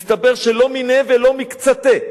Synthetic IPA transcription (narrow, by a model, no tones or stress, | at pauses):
st̪abe̞ʁʃelo̞minevelo̞mikt͡sat̪e